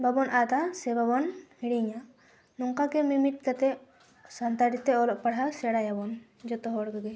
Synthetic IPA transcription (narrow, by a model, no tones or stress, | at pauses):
babɔnʔat̪asɛbabɔnhiɽiɲa | nɔŋkakɛmimiʈ̚kat̪ɛ | sant̪aʈit̪ɛɔlɔʔ̚paɽ̤asɛɽajabɔn | d͡ʒɔt̪ɔɦɔɽɡaɡɛ